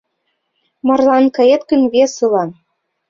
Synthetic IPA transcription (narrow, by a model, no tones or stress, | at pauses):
mɤ̆rlɑnkɤ̆et̪kə̆nβʲesɯlɑn